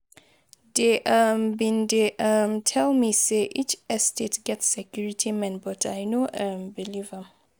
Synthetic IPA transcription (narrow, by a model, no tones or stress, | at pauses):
deʔəmbĩndeʔəmtʰɛlmiseʔit͡ʃɛstetɡɛtsɛkʰjuɹitʰimɛ̃nbɔtʰajnoʔəmbilivə